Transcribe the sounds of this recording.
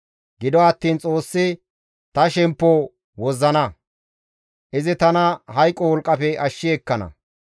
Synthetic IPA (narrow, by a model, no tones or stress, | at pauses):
ɡɪd̪ɔɐt̪ːiːnt͡sʼo̞ːsːɪ | t̪ɐʃɛmpːɔ | wɔzːɐnɐ | ʔɪzɪt̪ɐnɐɦɐjkʼːɔwɔlkʼːɐfɛɐʃːɪɛkːɐnɐ̰